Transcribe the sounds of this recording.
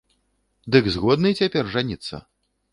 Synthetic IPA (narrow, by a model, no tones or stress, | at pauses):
d̪ɨɡzɣɔd̪nɨt͡sʲapʲɛrʐanʲit̪sːɐ̰